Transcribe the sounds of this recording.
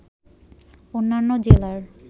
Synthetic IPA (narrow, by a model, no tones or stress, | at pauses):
onːanːod͡ʑelaɾ